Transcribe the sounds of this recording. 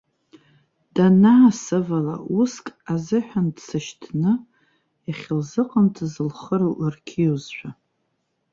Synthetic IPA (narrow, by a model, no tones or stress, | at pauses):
d̥anaːsɨvala̰uskʼazɨħʷᶣandsɨʃtʰnɨ | jaχʲɪlzɨqʼəntʰɨzɨlχəɾowʔərkʲʰiwzħʷᶣa